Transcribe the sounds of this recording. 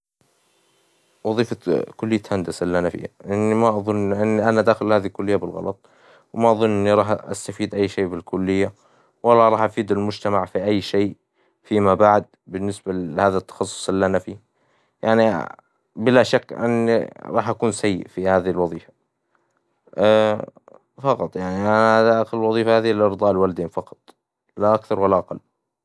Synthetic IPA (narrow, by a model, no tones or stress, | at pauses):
wɑðˤiːfakʊlːɪjːat̪hand̪asɪlːanafḭjːaʔɪnːimaʔɑðˤʊnʔɪnːʔanad̪aːxɪlhaːðilkʊlːɪjːabɪlɣɑ̰lɑt̪ˤ | wmaʔɑðˤʊnːʔɪnːiɾˤɑːħʔa̰st̪afiːd̪ʔajːʃeːbɪlkʊlːɪjːa | wɑlːɑɾˤɑːħʔafiːd̪almʊd͡ʒt̪amaʕfiʔajːʃeːʔ | fimabaʕd̪̚ | bɪnːɪsbahaːðat̪ːɑ̥xɑsˤːʊ̥sˤʔɪlːanafi | jaʕni | bɪlaʃakːʔɪ̰nːḭɾˤɑːħʔakuːnsajːɪ̰ʔfihaːðilwɑðˤiːfḁ | fɑqɑt̪ˤjaʕniʔaad̪aʔaxllwɑðˤiːfahaːðiɪʔɑɾd̪ˤɑːʔɪlwalad̪eːnfɑqɑ̥t̪ˤ | laʔakθɑɾwalːaʔaqɑlː